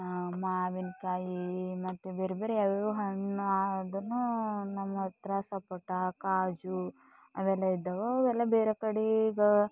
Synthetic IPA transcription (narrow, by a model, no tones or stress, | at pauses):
maːʋinkaːjimɐt̪ːubeːɾebeːɾeaːʋuɦɐɳːaːɖunːunɐmːɐɐt̪ɾɐsɐpɐʈːakaːd͡ʒu | ɐd̪ɛlːɐid̪ːɐʋɐɐʋd̪ɛlːɐbeːɾekɐɽiɡɐ